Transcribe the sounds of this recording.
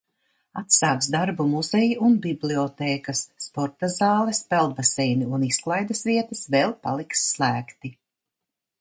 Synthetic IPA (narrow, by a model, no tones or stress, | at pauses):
at̪saːksd̪aɾbumuzejuʔunbibliɔt̪eːkɐsːpɔɾt̪azɑːlˠɛspɛlˠd̪̚basɛjniunisklˠajd̪ɐsviɛt̪ɐsvɛːlˠpa̰lˠiksːlˠæːkt̪i